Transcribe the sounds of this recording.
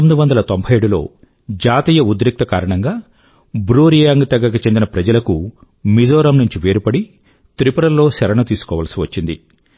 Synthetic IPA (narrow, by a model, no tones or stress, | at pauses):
omid̪uʋɐnd̪ɐlɐt̪o̞mbʱɐjeɽulo̞̰ː | d͡ʒaːt̪iːjɐud̪ɾik̚t̪ɐkaːɾɐɳɐŋɡaː | bɾuːɾijaːŋɡt̪ɐɡːɐkut͡ʃend̪inɐpɾɐd͡ʒɐlɐku | mid͡ʒɔːɾɐmnuɲt͡ʃiʋe̞ːɾupɐɽi | t̪ɾipɾɐlːo̞ːsɛɾɐɳɐt̪iːsu̥kɔːʋɐlɐsiʋɐt͡ʃːind̪ḭ